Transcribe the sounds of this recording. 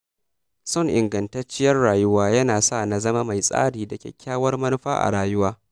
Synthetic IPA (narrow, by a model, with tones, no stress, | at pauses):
sʊ˦ŋʔɪ˨ŋɡɐ˨ntɐ˦t͡ʃːɪ˦jɐ˦rɽaː˨jʊ˦waː˦jɐ˦naː˨sa˦˨na˨˦zɐ˦ma˦ma˨jsʼa̰ː˦ɽiː˨da˨kʲɛ̰˨kʲːaː˦wɐ˦rmɐ˦nʊ˦ɸa̰ː˦ʔa̰˨ɽaː˨jʊ˦waː˦